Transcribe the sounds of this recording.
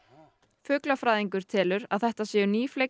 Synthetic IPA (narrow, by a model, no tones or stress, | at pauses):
fʏːklafɾaːjðiŋkʏɾ̥t̪ʰɪːlʏɾa̰ðθɛht̪asɛːjʏniːfle